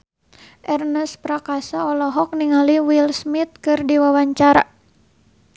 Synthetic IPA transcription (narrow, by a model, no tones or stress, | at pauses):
ʔɛrnəspɾakasaɔlɔɦɔk̚niŋaliwilsmit̪̚kɨrdiwawaɲt͡ʃaɾa